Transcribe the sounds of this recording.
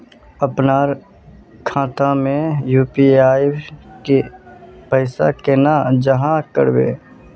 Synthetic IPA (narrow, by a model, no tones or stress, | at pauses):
əpnaːɾ | kʰãːt̪amẽjuːpiaːjkepəɪsakenad͡ʒəɦãkəɾbḛː